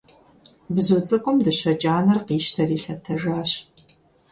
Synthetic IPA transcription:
bzot͡sʼɨkʷʼʊmdɨɕɐt͡ʃʼaːnɐrqiːʃtʰɐriːɬɐtʰɐʒaːɕ

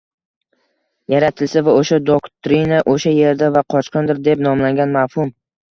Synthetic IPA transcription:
jaɾat̪ʰɪlsavaoʃad̪okt̪ɾinaʔoʃaje̞ɾd̪avaqʰɒt͡ʃqʰɨnd̪ɪɾd̪e̞pnɒmlaŋɡʲanmafhʊm

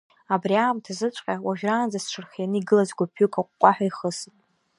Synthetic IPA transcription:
abriaːmtʰazɨt͡ʃʷʼqʲʼawaʒᶣraːnd͡zasʂʰɨrχʲjanɨiɡɨlazɡʷapʰːukʰaqʷʼqʷʼaħʷᶣaiχəsɨtʼ

